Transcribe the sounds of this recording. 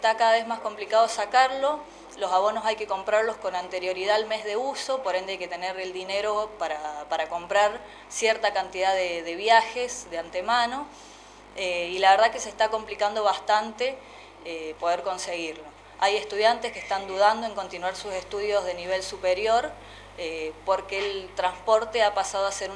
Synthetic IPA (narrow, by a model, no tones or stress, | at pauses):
et̪akaðaβ̞e̞zmasko̞mplikað̞o̞sakaɾlo̞ | lo̞saβ̞o̞no̞sajke̞ko̞mpɾaɾlosko̞nant̪e̞ɾjo̞ɾiðaːlme̞zðe̞uso̞po̞ɾe̞nd̪ajket̪eneɾeld̪ine̞ɾo̞paɾapaɾako̞mpɾaɾ | sjeɾt̪akant̪ið̞aðeðe̞βjaxesðeant̪e̞mano̞ | eilaβeɾð̞akesest̪ako̞mplikand̪o̞βast̪ant̪e̞ | epo̞ð̞eɾko̞nse̞ɣiɾlo̞ | aje̞st̪uðjant̪eskest̪and̪uð̞and̪o̞e̞ŋko̞nt̪inwaɾsuse̞st̪uð̞jo̞zð̞e̞niβe̞lsupeɾjo̞ɾ | epo̞ɾkeːlt̪ɾanspo̞ɾt̪eapasað̞oaseɾu